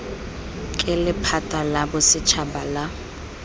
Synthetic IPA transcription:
kʼɪlɪpʰatʼalabʊsɪt͡ʃʰabala

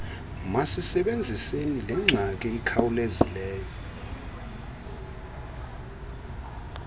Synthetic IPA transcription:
masisɛɓend͡zʱisenilɛŋ͡ǁʱak̬ʼɛikʰawulezilɛːjɔ

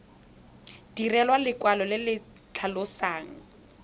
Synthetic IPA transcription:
d̥irɛlwalɪkwalɔlɪlɪt͡ɬʰalʊsaːŋ̩

